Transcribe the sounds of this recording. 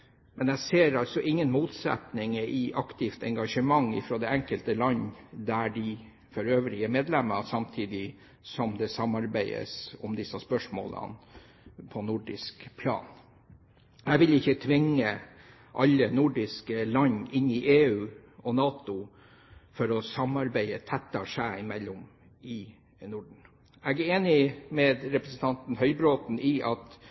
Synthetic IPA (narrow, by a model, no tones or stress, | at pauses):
mɛnæɪseːɾɑlsɔʔɪŋːənmuːt̪sɛ̰t̪nɪŋəʔɪʔɑkt̪ʰɪft̪ɛ̰ŋɡɑʂəmɑŋːɪ̰fɾoːd̪ɛɛŋkəlt̪əlɑɲd̪æɖɪ | fɔɾøːʋɾɪəmeːd̪lɛməsɑmt̪ʰiːd̪ɪ | sɔmd̪ɛsɑmɑɾbæɪə̰sɔmd̪ɪsɑspœʂmo̰ːlə̰n | pʰɔnʊɖɪ̰skpʰlɑ̰ːn | æʋɪlɪçːət̪ʰʋɪŋə | ʔɑlːənʊɖɪskəlɑɲɪnɪʔeːʉːɔnɑːt̪ʊ | fɔɾɔsɑmɑɾbæɪət̪ʰɛt̪ːɑʂæːɪmɛlːʊm | ɪ | nʊɖɳ̩ | ɛɡæeːnɪmɛd̪ɾɛpɾəsən̩t̪ʰɑnt̪n̩hœʏbɾoːt̪n̩ʔɪʔɑt̪